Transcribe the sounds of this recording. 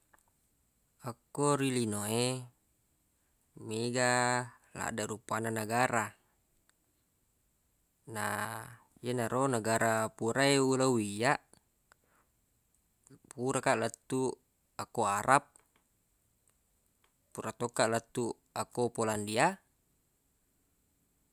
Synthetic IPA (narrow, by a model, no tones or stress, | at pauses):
akːoɾilinoe | meɡa | la̰ʔdaɾupananaɡaɾa | na̰ | jenaɾonaɡaɾapuɾaeulawijaʔ | puɾakaʔlat̪ːu | akoaɾʔap̚ | puɾat̪okːaʔlat̪ːu | akopolandia